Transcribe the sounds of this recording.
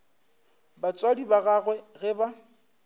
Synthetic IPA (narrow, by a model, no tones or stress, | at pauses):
bat͡sʼwadibaɣaɣwɛɣɛba